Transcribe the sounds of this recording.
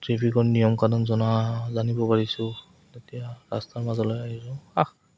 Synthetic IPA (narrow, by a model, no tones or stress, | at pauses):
tɹipʰikɔɹnijɔmkanɔnzɔnazanibɔpaɹisʊ̃ | tetijaɹa̰staɹmazɔlojaɦisɔax